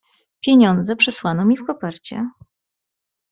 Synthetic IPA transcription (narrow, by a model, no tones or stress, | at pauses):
pʲjeɲɔnd̪zɛpʂɛswanɔmʲifpɔpaɾt͡ɕɛ̰